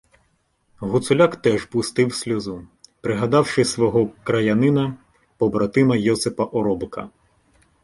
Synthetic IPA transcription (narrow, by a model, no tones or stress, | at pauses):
ɦʊt̪sʊlʲakt̪ɛʒpʊst̪ɪwsʲlʲɔzupɾɪɦɐd̪ɑwʂɪsʋɔɦɔkɾɐjɐnɪnɐ | pɔbɾɐt̪ɪmɐjɔsepɐʔɔɾɔbkɐ̰